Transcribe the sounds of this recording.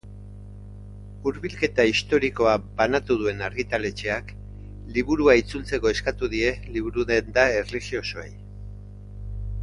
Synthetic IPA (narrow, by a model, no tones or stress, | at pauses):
uɾβilke̞t̪aist̪o̞ɾiko̞abanat̪uð̞ue̞naɾɣit̪ale̞t͡ʃe̞ak | liβuɾuait͡sult͡se̞ko̞e̞skat̪uðie̞liβ̞uɾuðe̞nd̪ae̞rlixio̞so̞ḛj